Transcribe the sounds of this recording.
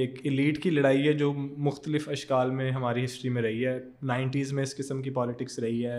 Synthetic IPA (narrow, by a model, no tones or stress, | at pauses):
eːkɪliːʈkilɐɽaːiɦɛd͡ʒoːmʊxt̪əlɪfɐʃkaːlmẽɦɐmaːɾiɦɪsʈɾimẽɾɐɦiɦɛː | naːɪ̃ɳʈiːzmẽɪskɪsəmkipɔːlɪʈɪksɾɐɦiɦɛː